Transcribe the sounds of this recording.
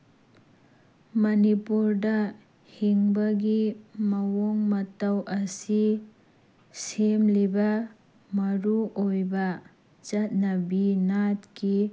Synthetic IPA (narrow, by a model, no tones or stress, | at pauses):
mɐnipuɾdɐ | hiŋbɐɡimɐwoŋmɐtawʔɐsi | semlibɐ | mɐɾuʔojbɐ | t͡ʃɐt̚nɐbinatki